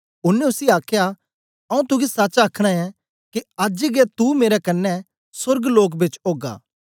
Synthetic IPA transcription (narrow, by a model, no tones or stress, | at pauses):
ʊnːɛ̃ʊsiaːkʰja | ɐũt̪ʊɡisaːt͡ʃaːkʰɽ̃aɛ̃ | kiaːd͡ʒiɡɛt̪umeːɾɛkɐnːɛ | sʊɾɡloːk̬bɪt͡ʃoːɡa̰ː